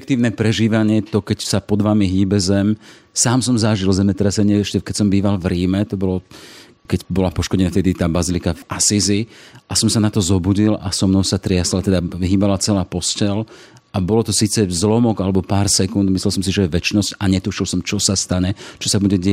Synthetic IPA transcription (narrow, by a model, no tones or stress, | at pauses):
k̚t̪iːʊnɛpɾɛʒiːʋaɲɪɛt̪ɔkɛcsapɔd̪ʋamiɦiːbɛzɛm | saːmsɔmzaʒilzɛmɛt̪ɾɛsɛɲɪɛɛʃcɛkɛcsɔmbiːʋalvɾiːmɛt̪ɔbɔlɔ | kɛɟbɔlapɔʃkɔɟɛnaft̪ɛd̪it̪aːbazilikavʔasiziʔasɔmsanat̪ɔzɔbuɟila̰sɔmnɔʊsat̪ɾɪaslat̪ɛd̪aiɦiːbalat͡sɛlaːpɔscɛl | ʔabɔlɔt̪ɔsiːt͡sɛzlɔmɔɡalɛbɔpaːɾsɛkund̪mislɛls̬ɔmsiʒɛjɛʋɛt͡ʃnɔscaɲɛt̪uʃilsɔmt͡ʃɔsast̪aɲɛt͡ʃɔsabuɟɛɟɛ